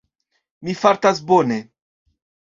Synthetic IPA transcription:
mifaɾtasbone

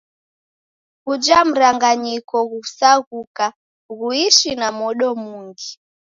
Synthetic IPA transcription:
kud͡ʒam̩ɾaŋɡaɲikɔɣusaɣuka | ɣuiʃinamɔɗɔmuŋɡi

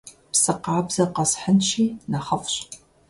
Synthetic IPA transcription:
psɨqɑːbz̥ɐqɐsħənʃiːnɐχɐfɕʼ

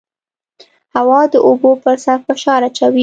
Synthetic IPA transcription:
hawɑd̪əʔobopəɾsaɾfɪʃɑɾat͡ʃawi

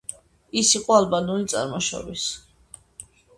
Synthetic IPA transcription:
isiqʼɔalbanɔnit̪sʼa̰ɾmɔʃɔ̰bis

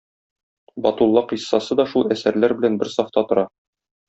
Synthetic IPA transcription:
bɒt̪ulˠːɑqisːɑsɤd̪ɒʃulˠæsæɾlæɾbɘ̆lænbɘɾsɑft̪ɑt̪ŏɾɑ

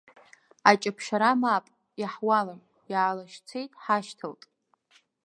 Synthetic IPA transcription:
at͡ʃʼapʰʃaɾamapʼ | jaħwalam | jaʕːlaʃt͡sʰe̞jtʼħaʃtʰɨltʼ

